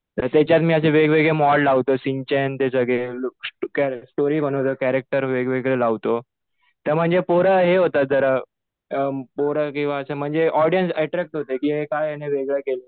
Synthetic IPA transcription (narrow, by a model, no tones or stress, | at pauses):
t̪əɾt̪jɛt͡ɕjat̪miːəs̬eʋeɡʋeɡɭemɔllaʋt̪osiɲt͡ɕent̪esəɡɭeloksʈoɾiːbənot̪okæɾek̚ʈəɾʋeɡʋeɡɭelaʋt̪o | t̪əɾm̤əɳd͡zepoɾəɦeɦot̪at̪̚d͡zəɾə | poɾəkĩw̃ʋaəsem̤əɳd͡zeʔɔɾɖijənsaʈɾɛk̚ʈɦot̪ekiːɦekajaneʋeɡɭəkele